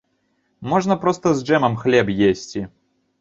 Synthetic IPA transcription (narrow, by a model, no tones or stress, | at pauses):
mɔʐnɐpɾɔst̪ɐzd͡ʐɛmɐmxlʲɛbjesʲt͡sʲi